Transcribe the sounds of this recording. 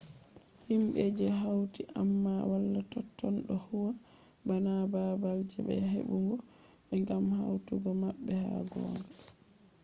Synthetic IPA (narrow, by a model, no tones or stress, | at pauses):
himɓed͡ʒɛɦawtiʔamːawalːatɔtːɔnɗɔhuwa | banababald͡ʒɛɓɛ̰ɦḛɓuŋɡɔ | ɓɛŋɡamhawtuɡɔmaɓːɛha̰ɡɔ̰na